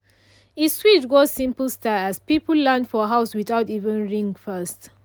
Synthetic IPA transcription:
iswitɡɔsĩmpəl̩staæspipəllãndfɔɦaʊswiθaʊtivə̃nɹĩŋɡfɜst

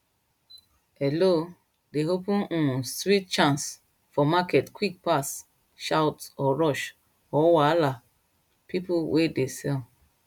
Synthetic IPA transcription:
ɛlo | deɦopũnũstɾit̚t͡ʃãns | fɔmakɛtkwik̚pas | ʃawtɔɹɔʃ | ɔwala | pipuwʔedesɛ

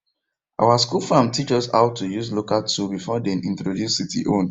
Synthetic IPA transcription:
ʔa̰waskulfãmtʰit͡ʃɔsa̰ʊtujuzlokaltʰubifɔdenĩntɹodjusitḭʔõn

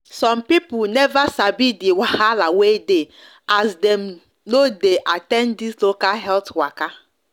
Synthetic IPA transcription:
sɔ̃mpipʊlnɛvasabidɪwahalawede | azdem | nodeʔatɛ̃ndislokalɦɛltwaka

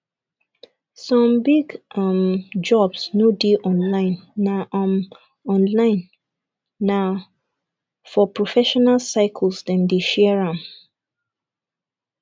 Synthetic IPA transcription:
sɔ̃mbiɡamd͡ʒɔbsnodeʔɔ̃nlãɪ̃nːaʔãm | ɔ̃nlãɪ̃nː | a | fɔpɹɔfɛʃɔnalsaɪkʰlsdɛ̃mdeʃɛɹãm

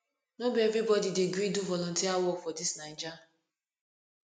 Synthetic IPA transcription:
nobievɾibɔdideɡɾiduvɔlɔntiawɔkfɔdisnaɪd͡ʒa

